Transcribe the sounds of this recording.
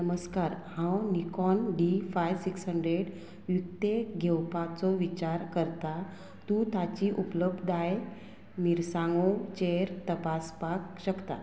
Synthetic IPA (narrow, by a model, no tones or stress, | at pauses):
nəməskaɾhãwnikɔnɖifajʋsiksɦəɳɖɾeɽ | ʋjukt̪eɡʱewpat͡sɔʋit͡ɕaɾkəɾt̪a | t̪ũt̪at͡ɕiʔupləbd̪aj | miɾsãŋɡot͡ɕeɾt̪əpaspakɕəkt̪a̰